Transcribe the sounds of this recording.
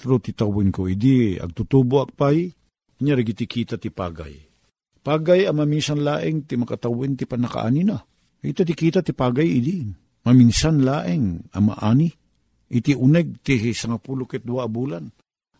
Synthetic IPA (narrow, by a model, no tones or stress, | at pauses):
t̪ɾot̪ɪt̪awɪnkoʔɪd̪iɐ̰ɡ̚t̪ut̪uːboʔɐk̚paj | ɪɲaɾɪɡit̪ikʰiːt̪at̪ɪpa̰ːɡa̰j | paːɡajamɐminsanlaːʔɪŋt̪ɪmɐkat̪awɪnt̪ɪpanɐka̰ʔa̰nina | ɡit̪at̪̬ikiːt̪at̪ɪpaːɡajɪd̪i | mɐminsanlaːʔɪŋama̰ʔaːni | ʔɪt̪iʔʊnɛɡ̚t̪isaŋapulokɛt̪̚d̪ʊwaʔːbulan